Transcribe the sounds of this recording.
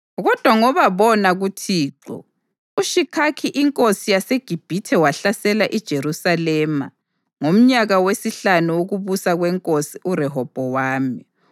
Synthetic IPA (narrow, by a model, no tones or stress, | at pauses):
ɣɔd̥ʱwaŋɔβaβɔnaɣutʰiːǁɔ̰ | uʃikʰakʰiʔiŋkʼosijaseɡ̥ʱib̥ʱitʰɛwaɬasɛlaʔid̥ʒ̥ʱeɾusalɛːma̰ | ŋom̩ɲaɣawesiɬanuwoɣuβusaɣwɛŋkʼosiʔuɾɛɦɔb̥ʱɔwaːmi